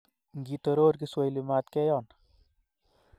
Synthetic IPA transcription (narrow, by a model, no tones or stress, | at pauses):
ŋɡit̪ɔɾoːɾkiswojlimaːt̪kɛjɔːn